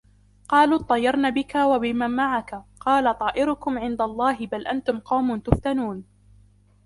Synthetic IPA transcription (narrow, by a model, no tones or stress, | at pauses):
qɑːluːt̪ˤːɑjːɑɾˤnaːbɪkawabɪmanmaʕakaqɑːlat̪ˤɑːʔɪɾʊkʊmʕɪnd̪alˤːɑːɦɪbalʔant̪ʊmqɑwmʊnt̪ʊft̪anuːn